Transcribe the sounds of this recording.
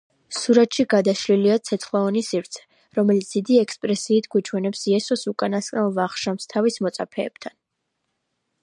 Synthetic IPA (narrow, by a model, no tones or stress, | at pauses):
ssuɾat̪ʃiɡad̪aʃliliat̪sʰɛt̪sʰχlˠaɔnisivɾt̪sʰɛ̥ | ɾɔmɛlit̪sd̪̥id̪iɛkspʼɾɛsiːt̪ʰɡwit͡ʃʰwɛnɛpsiɛsɔsukʼanaskʼnalˠvaχʃamst̪ʰavismɔt̪sʼapʰɛːb̥t̪ʰan